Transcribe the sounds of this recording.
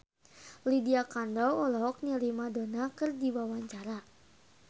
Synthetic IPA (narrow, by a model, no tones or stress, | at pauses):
lidiakandɔwɔlɔɦɔk̚ɲəlimadonakɨrdiwawaɲt͡ʃaɾa